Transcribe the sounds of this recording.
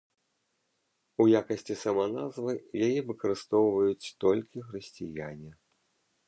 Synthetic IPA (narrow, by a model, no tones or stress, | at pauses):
ujakɐsʲt͡sʲisɐmɐnazvɨjajɛvɨkɐɾɨst̪ɔwvɐjut͡sʲt̪ɔlʲkʲixɾɨsʲt͡sʲijanʲi